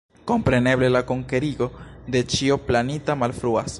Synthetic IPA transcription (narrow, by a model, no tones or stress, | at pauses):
ko̞mpɾe̞ne̞ble̞lako̞ŋke̞ɾiɡo̞de̞t͡ʃio̞planitamalfɾuas